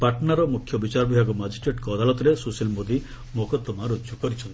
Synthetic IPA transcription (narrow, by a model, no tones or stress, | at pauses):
paʈnaɾɔmukʰjɔbit͡ʃaɾɔbʱiɦaɡɔmad͡ʒisʈɾeʈkɔːd̪alɔt̪ɔɾesusilmod̪i | mokɔt̪ɔmaɾod͡ʒjukɔɾit͡ʃʰɔnt̪i